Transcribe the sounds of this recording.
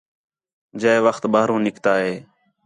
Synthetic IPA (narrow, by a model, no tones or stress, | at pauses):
d͡ʒəːʋəxt̪baːɾõːnɪkt̪aːɦeː